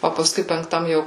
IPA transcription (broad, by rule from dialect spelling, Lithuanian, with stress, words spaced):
oː pɐsˈkʊɪ pʲɛŋkˈtɐm ˈjɛʊ